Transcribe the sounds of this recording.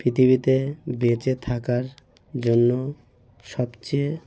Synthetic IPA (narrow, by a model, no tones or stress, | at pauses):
pɾit̪ʰiβit̪ebet͡ɕet̪ʰakaɾ | d͡ʑonːo | ʃɔbt͡ɕe